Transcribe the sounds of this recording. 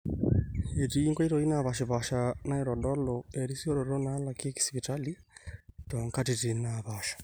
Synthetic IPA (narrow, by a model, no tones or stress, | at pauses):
etiiŋkwaitoinaβaʃiβaʃanaiɾɔdɔloeɾisioɾoɾonalakeki̥spitali | toŋkatitinaβaʃḁ